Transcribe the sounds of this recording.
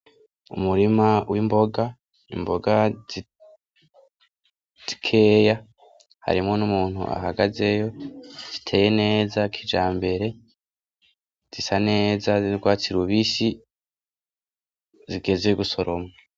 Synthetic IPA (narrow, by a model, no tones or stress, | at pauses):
ṵmuɾimawʔimbo̞ɡa | ḭmbo̞ɡazi | zz̥ikʰe̞ːja | ha̰ɾimŋo̞numuːn̥ṵʔa̰ɦaɡaze̞jo̞z̥itʰe̞ːje̞ne̞ːzakʰid͡ʒaːmbe̞ɾe̞ | z̥isane̞ːzaziɾɡwaːt͡siɾwuβiːsi | ziɡe̞zejoɡuso̞ɾo̞mŋaa